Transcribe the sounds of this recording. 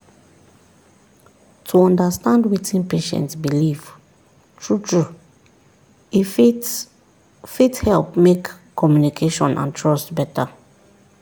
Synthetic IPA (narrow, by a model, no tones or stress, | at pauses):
tʰuɔ̃ndastãndwitĩnpeʃɛ̰̃ntsbiliv | tʰɹutʰɹu | i | fithɛlpmekʰː | ɔmjunikʰeʃɔ̰̃nʔã̰ntʰɹɔstbɛtʰa